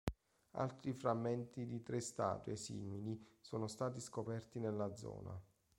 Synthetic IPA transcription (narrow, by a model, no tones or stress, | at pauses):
a̰lt̪ɾifɾamːɛnt̪id̪it̪ɾest̪a̰ːt̪wesḭːmilisoːnost̪aːt̪iskopɛrt̪inelːad̪zɔ̰ːna̰